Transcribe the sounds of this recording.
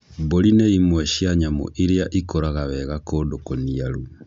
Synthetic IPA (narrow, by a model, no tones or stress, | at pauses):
boɾineimwɛʃjaɲamo̰ʔiɾeaʔikoɾaɣaβɛɣakoːdokoniaɾu